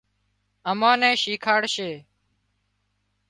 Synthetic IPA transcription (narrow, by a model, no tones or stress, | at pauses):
əmãːnɛ̃ːʃiːkʰaːɽʃeː